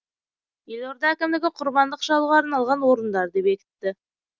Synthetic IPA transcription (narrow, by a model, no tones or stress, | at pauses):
je̞lo̞ɾd̪ɑækʲɪmd̪ɪɡʲɪqʰʊɾbɑnd̪əqʒɑlˠuʁɑɑɾnɑlˠʁɑnwo̞ɾənd̪ɑɾd̪e̞pe̞kʲɪ̥t̪ːɪ